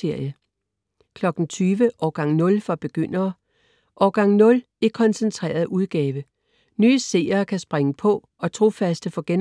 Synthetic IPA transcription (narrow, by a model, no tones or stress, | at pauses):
e̝ɐ̰jə | kʰlɒ̽ɡ̥n̩t͡sʰyːʋəʔɒːɡ̥ɑ̈ŋnɔ̽lfɒb̥e̝ɡ̥øn̰ɐː | ʔɒːɡ̥ɑ̈ŋ̩nɔ̽l | e̝kʰɒ̽nsent͡sʰʁɛ̰ːɐð̩ˠuð̞ˠɡ̥ɛːʋə | nyːəse̝̰ːɐkʰæsb̥ʁeŋəpʰɒ̽ | ɒ̽t͡sʰʁo̝fæsd̥əfɒ̽ɡ̥en